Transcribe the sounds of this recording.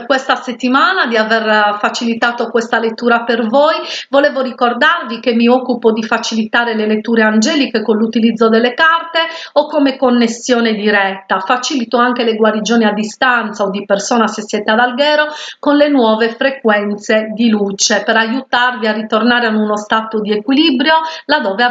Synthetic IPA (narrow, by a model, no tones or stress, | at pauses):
kwest̪aset̪ːimaːnad̪iavɛrfat͡ʃilit̪aːt̪okwɛst̪alet̪ːuːɾapervojvɔlɛːvorikord̪arvikemːiɔkːupod̪ifat͡ʃilit̪aːɾelelet̪ːuːɾeand͡ʒɛːlikekonlut̪ilid̪zːod̪ɛlːekart̪eɔkːomekonːesːjɔːned̪iɾɛt̪ːafat͡ʃilit̪oaŋkeleɡwaɾid͡ʒoːniad̪ːist̪ant̪saod̪ːipersɔːnasesːjɛːt̪ead̪alɡɛːɾokonlenwɔːvefɾekwɛnt̪sed̪ilut͡ʃepɛɾajut̪arviarit̪ornaːɾeanunɔst̪aːt̪od̪iekwilibɾjolad̪ɔːve